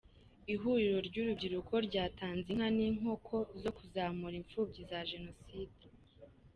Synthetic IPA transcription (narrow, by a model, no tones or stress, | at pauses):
iɦuːɾiɾo̞ɾɟuːɾubɟiɾukʰo̞ɾɟaːtaːnziŋ̥haniːŋ̥ho̞kʰo̞zo̞kuzaːmuɾiɱfuːbɟizaʒe̞no̞siːde